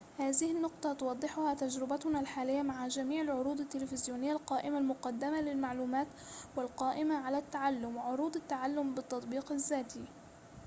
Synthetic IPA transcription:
haːðɪhɪnːʊqt̪ˤɑt̪ʊwɑd̪ˤːɪħʊhaːt̪ad͡ʒɾɪbat̪ʊnalħaːlɪjːamaʕad͡ʒamiːʕɪlʕʊɾuːd̪ˤɪt̪ːɪlɪfɪzjuːnɪjːalqɑːʔɪmalmʊqɑd̪ːamalɪlmaʕluːmaːt̪ | walqɑːʔɪmaʕalaːt̪ːaʕalːʊmʕʊɾuːd̪ˤat̪ːaʕalːʊmbɪt̪ːɑt̪ˤbiːqazːaːt̪iː

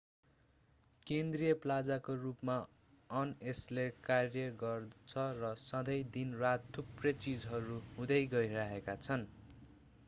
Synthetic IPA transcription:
kend̪rijʌplad͡zakorupma | ʌneslekarjʌɡʌrt͡sʰʌrʌsʌd̪ʌjd̪inrat̪ʰːuprʌt͡sid͡zɦʌɾuhũd̪ʌjɡʌiɾaɦekat͡sʰʌn

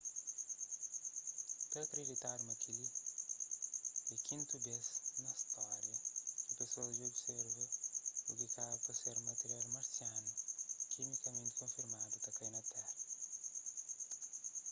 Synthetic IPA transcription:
t̪ɐt̪ɾidit̪aɾmɐkili | dikʰĩnt̪ubesnɐst̪ɔɾjɐkit̪ɐsod͡ʒiobseɾvɐuɡikabupɐseɾmɐt̪eɾjalmɐɾsianukʰimikɐmẽnt̪kõfiɾmad̪ut̪ɐkɐjnɐt̪ɛɾɐ

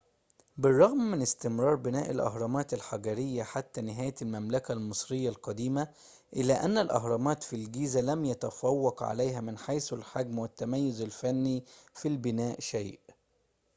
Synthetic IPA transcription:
bɪrˤːɑɣmːɪnɪst̪ɪmɾˤɑːɾˤbɪnæːʔɪlʔɑ̰ɦɾˤɑmɑːt̪ɪlħaɡæɾɪjːaħat̪ːænɪɦæːjlmæmlækælmɨsˤɾɪjːalqɑd̪iːma | ʔɪlːæːʔænːælʔɑ̰ɦɾˤɑmɑːt̪filɡiːzælæmjæt̪æfɑwːɑqʕa̰læjɦæmɪnħajsalħaɡmwɪt̪ːæmæjːʊzɪlfænːifilbɪnæːʔʃajʔ

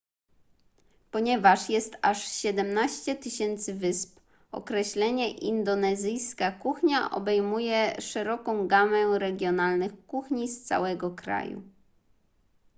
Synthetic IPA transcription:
pɔɲɛvaʂjɛst̪aʂɕɛd̪ɛmnaɕt͡ɕɛt̪ɘɕɛnt̪sɘvɘsp | ɔ̰kɾɛɕlɛɲɛʔind̪ɔnɛzɘjskakuxɲaʔɔ̰bɛjmujɛʂɛɾɔkɔ̃w̃ɡamɛɾɛɡʲjɔnalnɘxkuxɲist̪sa̰wɛɡɔkɾa̰jṵ

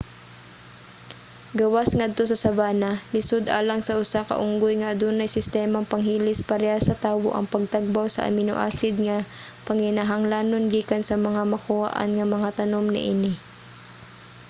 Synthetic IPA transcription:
ɡɐwasŋad̪̚t̪o̞sɐsɐbaːnalɪsod̪ʔaːlɐŋsɐʔʊsakɐ̰ʔʊŋɡʊjŋɐʔɐd̪onɐjsɪst̪ɛmɐŋpɐŋɦiːlɪspɐɾɛasɐt̪aːwo̰ʔɐ̰ŋpɐɡ̚t̪aɡ̚bawsɐ̰ʔɐ̰mɪno̰ʔa̰ːsɪd̪̚ŋɐ | pɐŋɪnaɦɐŋlaːnonɡiːkansɐmɐŋamɐkʊha̰ʔa̰nŋɐmɐŋat̪ɐnomnɪ̰ʔɪnɪ

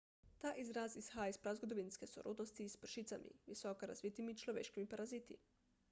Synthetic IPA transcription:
t̪aːʔizɾasisxaːispɾazɡod̪oʋinskeso̰ɾʔṵd̪nost̪iːsprʃit̪samʔḭʋisokaɾa̰zʋit̪imit͡ʃlˠoʋḛːʃkimipaɾazit̪ḭ

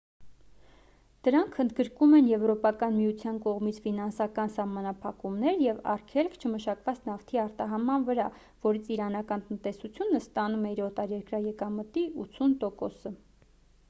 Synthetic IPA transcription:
d̪̥əɾɑŋkʰənd̪ɡəɾkumɛnjɛvɾɔpɑkɑnmijut͡sʰjɑnkɔʁmit͡sʰfinɑnsɑkɑnsɑhmɑnɑpʰɑkumnɛɾjɛvɑ̰rkʰɛlkʰt͡ʃʰəməʃɑkvɑt͡sʰnɑft̪ʰiɑɾt̪ɑɦɑmɑnvəɾɑ | vɔɾit͡sʰiɾɑnɑkɑnt̪ənt̪ɛsut͡sʰjunəst̪ɑnumɛiɾɔt̪ɑɾjɛɾkɾɑjɛkɑmət̪iut͡sʰunt̪ɔkɔsə

